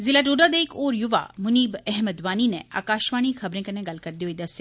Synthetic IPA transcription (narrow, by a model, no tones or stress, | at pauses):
zilaːʈoɖad̪ekoːɾjʊʋa̰mʊniːbɛɦməd̪ʋaːnineʔa̰ːkaːʃʋaːɽ̃ĩxʰɐbɾẽkɐnẽɡɐlkɐɾd̪ioid̪ɐsja